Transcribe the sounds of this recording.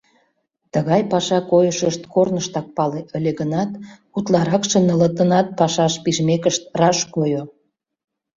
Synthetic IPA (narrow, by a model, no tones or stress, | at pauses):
t̪əɣɑjpɑʃɑkojəʃəʃt̪kornəʃt̪ɑk̚pɑleʔəlʲeɣənɑt̪ | ut̪lɑɾɑkʃə̆nə̆lə̆t̪ənɑt̪̚pɑʃɑʃpiʒmekəʃt̪rɑʃkojo